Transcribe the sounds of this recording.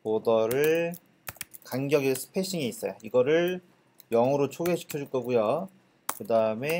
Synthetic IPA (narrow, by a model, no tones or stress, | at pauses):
podʌɾɯɭ | kanɡjʌɡisʰɯ̥pʰeɕ͈iŋiːs͈ʌjoiɡʌɾɯɭ | jʌŋʌɾot͡ɕʰoɡeɕʰi̥kʰjʌd͡ʑuɭk͈ʌɡujo | kɯdaɯme̞